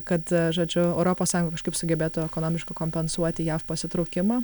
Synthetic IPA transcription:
kɐt̪ʒoːd͡ʒʲʊɛʊɾoːpoːssɑːjʊŋɡɐkɐʃkɐɪpsʊɡʲɛbʲeːt̪ʊɛkoːnoːmʲɪʃkɐkoːmʲpʲɛnsuɔt̪ʲɪjæːfpɐsʲɪt̪ɾʊːkʲɪmɑː

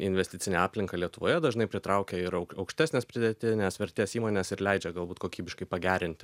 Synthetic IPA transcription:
ɪnʲʋʲɛsʲt̪ʲɪt͡s̪ʲɪnʲeɑːpʲlʲɪŋkɐlʲiɛt̪ʊʋoːjɛd̪ɐʒnɐɪpʲɾʲɪt̪ɾɑʊkʲɛɪɾɐʊkɐʊkʃʲt̪ʲæːsnʲɛːspʲɾʲɪd̪ʲɛt̪ʲɪnʲɛsʋʲɛɾʲt̪ʲeːsiːmoːnʲɛsɪɾlʲɛɪd͡ʒʲɛɡɐlˠbuːt̪koːkʲiːbʲɪʃkɐɪpɐɡʲæːɾʲɪnʲt̪ʲɪ

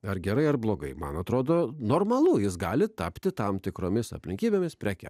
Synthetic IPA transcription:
ɐɾɡʲɛɾɐɪɐɾblˠoːɡɐɪmɐ̰nɐt̪ɾoːd̪oːnoːɾmɐlˠʊjɪsɡɑːlʲɪt̪ɐpʲt̪ʲɪt̪ɐmt̪ʲɪkɾoːmʲɪsɐ̰pʲlʲɪ̃ŋʲkʲiːbʲeːmʲɪspʲɾʲæːkʲɛ̰

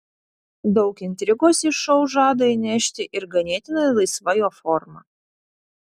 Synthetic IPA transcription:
d̪ɒʊkɪnʲt̪ʲɾʲɪɡoːsɪʃɒʊʒɑːd̪ɐinʲɛʃʲt̪ʲɪʔɪɾɡɐnʲeːt̪ʲɪnɐlˠɐɪsʋɐjoːfɔɾmɐ̰

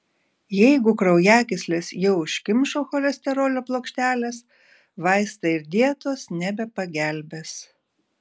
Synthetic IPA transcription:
jɛɪɡʊkɾɐʊjæːkʲɪsʲlʲeːsjɛʊʃʲkʲɪmʲʃoːxɔlʲɛsʲt̪ʲɛɾoːlʲoːplˠoːkʃʲt̪ʲæːlʲes | ʋɑɪst̪ɐɪɾd̪ʲiɛt̪oːsnʲɛbʲɛpɐɡʲæˑlʲbʲes

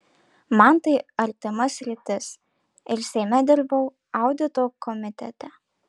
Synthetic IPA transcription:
mɐnt̪ɐɪɐɾʲt̪ʲɪmɐsʲɾʲɪt̪ʲɪs | ɪɾsʲɛɪmʲɛd̪ʲɪɾbɐʊ | ɐʊd̪ʲɪt̪oːkʰɔmʲɪt̪ʲɛ̰t̪ʲɛ

